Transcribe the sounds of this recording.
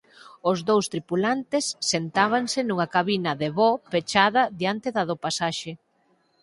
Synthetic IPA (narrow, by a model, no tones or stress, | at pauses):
ʊzðowst̪ɾipulant̪ɪsːent̪aβ̞aŋsɪnuŋɐkaβinɐðeβɔpet͡ʃaðɐðjant̪eðɐðopasaʃe